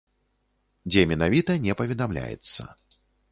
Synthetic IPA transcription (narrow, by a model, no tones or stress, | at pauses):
d͡zʲɛmʲɛnavʲit̪ɐnʲɛpɐvʲɛd̪amlʲa̰jɛ̰t̪sːɐ̰